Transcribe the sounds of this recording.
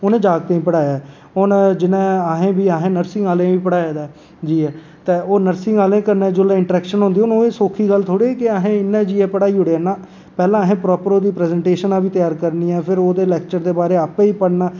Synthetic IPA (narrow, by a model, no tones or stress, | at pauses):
onẽːd͡ʒaːɡ̚t̪eːĩːpəɽaːjaːɛː | ond͡ʒɪnẽːaɦẽːbiːaɦẽːnəɾsɪ̃ŋaːlẽːʋiːpəɽaːjaːd̪aː | d͡ʒiːɦɛː | t̪eːoːnəɾsɪ̃ŋɡaːlẽːkəɾneːd͡ʒoːleːɪɳʈɾɛːkʃənɦʊ̃nd̪iːʊnoːeːsoːkʰːiːɡəlt̪ʰoːɽeːeːkɪaɦẽːɪnːẽːd͡ʒiːɛːpəɽaːiːɦʊɽeɛːnaː | pɛːlãːɦẽːpɾɔːpəɾoːd̪iːpɾɛːzɛːɳʈeːʃənãːbiːt̪ɪjaːɾkəɾniːɛːpʰɪɾoːd̪eːlɛːk̚t͡ʃəɾd̪eːbaːɾeːaːpẽːiːpəɽnaː